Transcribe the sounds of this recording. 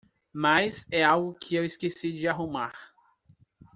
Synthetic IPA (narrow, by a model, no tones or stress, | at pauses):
majzɛawɡʊkʰɪewiskesid͡ʒɪaɦumaɾ